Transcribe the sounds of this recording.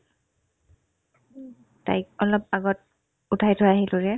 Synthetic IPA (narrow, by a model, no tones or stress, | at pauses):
ta̰jk̚ɔlɔp̚aɡɔt̚ | utʰajtʰʊjaaɦilʊɹɛ